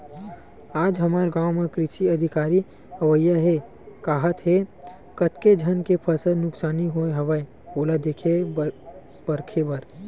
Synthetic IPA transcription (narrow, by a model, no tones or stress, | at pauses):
aːd͡ʒɦɐmaːɾɡaːwmekɾɪʃiəd̪ʱɪkaːɾi | ɦəʋəjːaɦe | kaːɦət̪ɦe | kət̪ked͡ʒʱənkepʰəsənʊksaːniɦoeɦɐʋəe | oːlad̪ekʰe | b̥əɾkʰebəɾ